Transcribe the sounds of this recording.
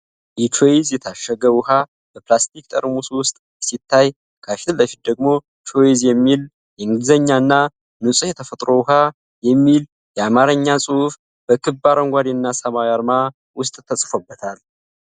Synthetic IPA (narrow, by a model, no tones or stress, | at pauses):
ʔɛt͡ʃʰoizjɛt̪ʰaʃːəɡəwʊha | b̥əplast̪ʰikt̪ʼə̰ɾmuswʊst̪ʼbəsit̪ʰːaj | kʰafit̪ʰɨlːəfit̪̚d̪əɡmo̞ | t͡ʃʰo̞izjɛmːil | jɛɨŋɡɨzəɲːaɨnːa | nɨsʼujɛt̪ʰəfət̪ʼɾo̞wʊɦa | jɛmːil | jɛamaɾəɲːasʼuhf | b̥əkʰɨbaɾəŋɡʷad̪enːasəmawjaɾma | wʊst̪ʼt̪ʰːəsʼfobːət̪ʰal